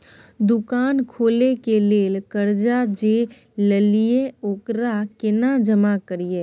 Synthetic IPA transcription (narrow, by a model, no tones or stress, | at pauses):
d̪ʊkaːnkʰoːlekeleːlkəɾd͡ʒad͡ʒe | ləlijeoːkɾakɪnad͡ʒəmakəɾijeː